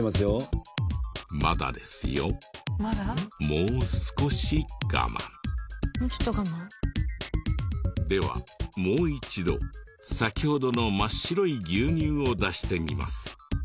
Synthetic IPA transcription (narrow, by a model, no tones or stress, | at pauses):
masɨjo | ma̰d̪a̰d̪e̞̰sɨjo̞̰ | mo̞ːsɨ̥ko̞ɕiɡ̥a̰mʔã̰ɴ | ç̥t̪oɡama | d̪e̞βa̰mo̞ːit͡ɕid̪o̞̰ | sakʲiho̞d̪o̞no̞maɕiɾo̞iɡʲɨːɲ̟ɨːo̞d̪aɕi̥t̪e̞mʲima̰sɨ̥